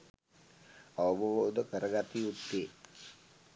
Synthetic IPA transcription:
aʋəboʋoːd̪əkəɾəɡat̪iut̪ːeː

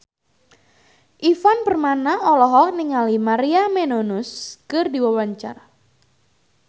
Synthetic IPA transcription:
ʔifanpərmanaɔlɔɦɔk̚niŋalimaɾiamenonʊskɨrdiwawaɲt͡ʃara

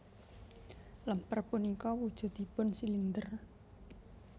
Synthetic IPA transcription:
ləmpərbunikɔwud̥ʒ̥ṳt̪̚d̪̥i̤pʊnsilind̪ər

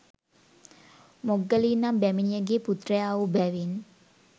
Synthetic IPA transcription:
moɡəlinambɛminjəɡeput̪ɾeaubawin

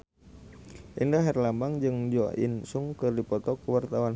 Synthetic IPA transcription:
ʔindaɦɛrlambaŋd͡ʒɨŋd͡ʒɔḭnsuŋkɨrdipɔt̪ɔkəwart̪awan

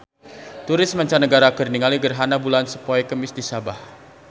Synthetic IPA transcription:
t̪uɾɪsmaɲt͡ʃanəɡaɾakərniŋaliɡərɦanabulansəpɔɛkəmɪsdisabah

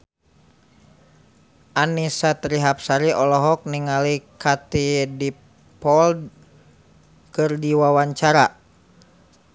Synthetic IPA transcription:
ʔanisat̪ɾiɦap̚saɾiʔɔlɔɦɔk̚niŋalikat̪idi | pɔld | kɨrdiwawaɲt͡ʃaɾa

